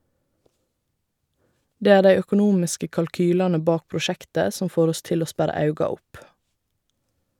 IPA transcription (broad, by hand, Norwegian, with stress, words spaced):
ˈdeː ˈæː ˈdæɪ œkʊˈnuːmɪskə kɑlˈkyːlɑnə ˈbɑːk pɹʊˈʃɛktə ˈsɔm ˈfoːɾ ˈɔs ˈtɪl ˈoː ˈspæɾɑ ˈɑʉɡɑ ˈʊp